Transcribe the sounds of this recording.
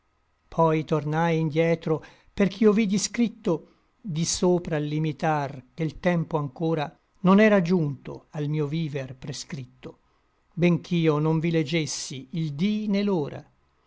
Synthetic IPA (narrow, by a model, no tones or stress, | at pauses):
pʰɔjt̪ornajind̪jɛːt̪ɾo | perk̟ʰiovid̪iskɾit̪ːo | d̪isoːpɾalːimit̪arkelt̪ɛmpoaŋkoːɾa | nonɛːɾad͡ʒunt̪o̰almiːoviːverpɾeskɾit̪ːo | beŋk̟ʰiːonoɱviled͡ʒesːiːld̪ineloːɾa̰